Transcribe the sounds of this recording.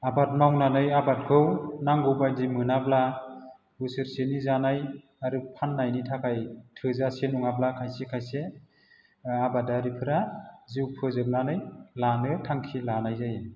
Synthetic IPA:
abat̚mawnanɯjabat̚kʰɯwnaŋɡɯwbazimɯnabla | bɯsɯɾsenizanaj | aɾɯpʰanːajnitʰakʰajtʰɯzasenuŋablakʰajsekʰajse | abadaɾipʰɯɾaziwpʰɯzɯk̚nanɯjlanɯtʰaŋkʰilanajzaje

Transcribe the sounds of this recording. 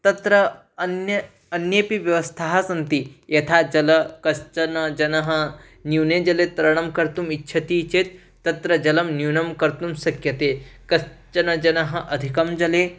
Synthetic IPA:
t̪ɐt̪ɾɐ | ɐnjɐ | ɐnjeːpiʋjɐʋɐst̪ʰaɦɐsɐnt̪ijɐt̪ʰaːd͡ʒɐlɐkɐst͡ʃɐnɐd͡ʒɐnɐɦɐ̆ | njuwneːd͡ʒɐleːt̪ɐɾɐɳ̃ɐmkɐɾt̪umitːʃʰɐt̪iːt͡ʃeːt̪ː | ɐt̪ɾɐd͡ʒɐlɐmnjuwnɐmkɐɾt̪umsɐkjɐt̪eːkɐst͡ʃɐnɐd͡ʒɐnɐɦɐ̆ʔɐd̪ʱikɐmd͡ʒɐleː

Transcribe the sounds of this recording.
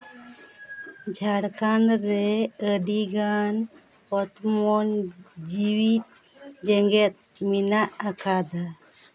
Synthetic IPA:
d͡ʒʱaɽkanɾɛəɖiɡan | pɔt̪mɔnd͡ʒiwit̪̚ | d͡ʒɛŋɡɛt̪̚ | minaʔakʰad̪a

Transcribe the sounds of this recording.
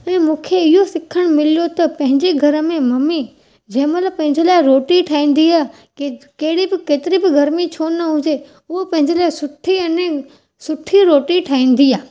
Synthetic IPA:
ɛ̃ːmũːkʰeɪɦosɪkʰəɽ̃mɪlijot̪ɐpɐ̃ɦɪ̃ɲd͡ʑeɡʱɐɾəmẽmɐmi | d͡ʑɐ̃ːɪ̃mləpɐ̃ɦɪ̃ɲd͡ʑelaːɪɾoːʈiʈʰaːĩːn̆d̪iaː | kɐɦɪɽibɪkeːt̪ɪɾibɪɡʱɐɾmit͡ɕʰoːnɐɦũːd͡ʑe | ʊɦopɐ̃ɦɪ̃ɲd͡ʑelaːɪsʊʈʰiɐ̃nẽ | sʊʈʰiɾoːʈiʈʰaːĩːn̆d̪iaː

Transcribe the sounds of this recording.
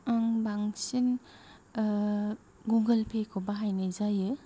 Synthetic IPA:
ɯŋbaŋsin | ɡuŋɡəlpʰekʰobaɦajnɯzajɯ

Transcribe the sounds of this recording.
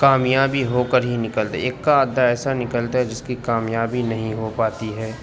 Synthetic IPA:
kaːmjaːbiɦoːkəɾɦinɪkəlt̪a̰eːkːaːd̪ʱːaɛːsanɪkəlt̪aɦɛd͡ʒɪskikaːmjaːbinɐɦĩɦopaːt̪iɦɛː

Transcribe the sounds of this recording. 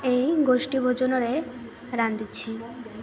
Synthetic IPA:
ejɡoʃʈibʱod͡ʒonɔɾe | ɾand̪it͡ɕʰi

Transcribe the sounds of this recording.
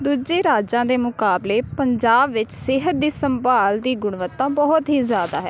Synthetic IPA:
d̪uːd͡ʒeːɾaːd͡ʒãːd̪eːmʊkaːbleːpəɲd͡ʒaːbʋɪt͡ʃsɪɦət̪̚d̪iːsəmbaːld̪iːɡʊɳʋət̪ːãːbɔɦʊt̪ɦiːzjaːd̪a̰ːɦɛː

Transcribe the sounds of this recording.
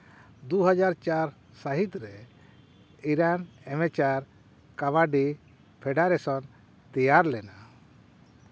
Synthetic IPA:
d̪uɦad͡ʒaɾt͡ʃaɾ | saɦit̪ɾɛ | iɾanɛmɛt͡ʃaɾ | kaβaɖi | pʰɛɖaɾɛsɔn | t̪ijaɾlɛna

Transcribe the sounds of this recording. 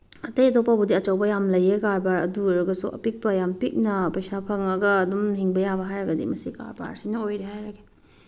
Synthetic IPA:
ɐtɐjɐtopːabudiɐt͡ʃɐwbɐjamlɐjekaɾbaɾɐ̰duɾuɡɐsṵʔɐ̰pik̚pɐjampik̚nɐpɐjsapʰɐŋɐɡɐːdumhiŋbɐjabɐɦajɾɐɡɐdḭmɐsika̰ɾba̰ɾsinɐojɾeɦajɾɐɡe̥

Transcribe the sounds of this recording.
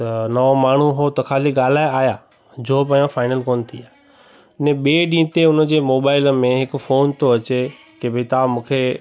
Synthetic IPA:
t̪ɐnɐʋomaːɳ̤uɦoːt̪ɐkʰaːliɠaːl̤aːeaːjaː | d͡ʑoːp̬ɐ̃jõfaːɪnəlkoːn̆t̪ʰiaːɦ | ɪnẽɓeːɗĩːt̪eʊnəd͡ʑeːmoːbaːɪləmẽɦɪkʊ̆foːnt̪oɐt͡ɕe | keːbʱɪit̪aːmũːkʰe

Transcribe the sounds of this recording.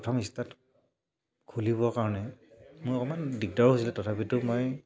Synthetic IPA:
ɔtʰɔmistat | kʰulibɔkaɹɔnɛmʊjɔkɔmandik̚dɔɹos̬ilɛtɔtʰapitʊmoj

